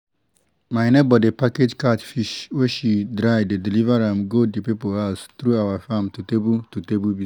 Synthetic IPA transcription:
maɪnebɔdipaked͡ʒkatfiʃweʃidɹaɪdedilivaɹãmɡodepipoast̪ɹuawafãmtutebututebubi

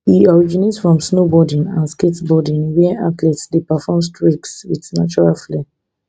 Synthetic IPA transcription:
hiɔɹid͡ʒinetsfɹɔ̃msnobɔdĩnãnsketbɔdĩnwɛ̃a̰tlɛtsdepafɔms̬tʰɹikswitnat͡ʃɔɹalfle

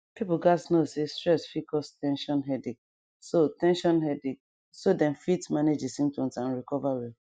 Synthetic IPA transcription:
pipuɡasnosestɹɛsfikɔstɛ̃nʃɔ̃nɦɛdik̚ | sotɛ̃nʃɔ̃nɦɛdik | sodɛ̃nfitmaned͡ʒisĩmtɔ̃nsãnɹikɔvaɹi

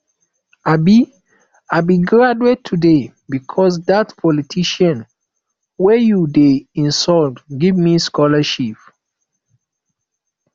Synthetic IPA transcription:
abi | abiɡɹaduetʰːude | bikʰɔs̬datpʰɔlitʰiʃãn | wɛjudeĩnsɔltɡivmiskɔlaʃip

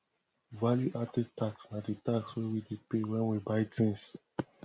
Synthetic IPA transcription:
valjuʔatɛd̚taksnaditakswɛwidepewɛ̃nwibaɪtĩns

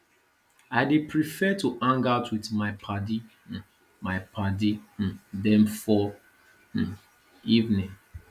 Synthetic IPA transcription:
aɪdepɹifɛtuʔãŋɡaʊtwitmaɪpʰadi | maɪpʰadidɛ̃mfɔ | ivnĩŋ

